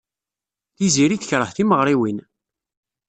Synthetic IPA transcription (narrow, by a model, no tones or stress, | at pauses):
θiziɾiθəçɾˤəħθiməʁɾiwin